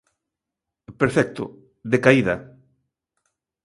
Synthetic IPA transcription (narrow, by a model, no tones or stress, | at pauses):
peɾfɛk̚t̪ʊ̰ | ðekaiðɐ